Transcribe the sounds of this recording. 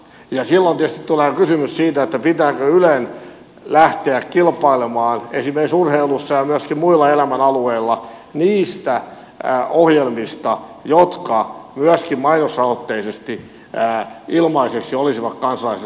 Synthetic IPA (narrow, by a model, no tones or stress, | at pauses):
jɑsilːont̪ietst̪it̪t̪uleːkysymyssiːt̪æet̪ːæpit̪æːkøylen | læht̪eækkilpɑilemɑːnesimerksurheilusːɑjɑmyæskimmuilːɑelæmænɑlueilːɑ | niːst̪æ | ohjelmist̪ɑjot̪kɑmyæskimmɑinosːɑot̪ːeisest̪i | ilmɑiseksiolisiʋɑkkɑnsɑlɑise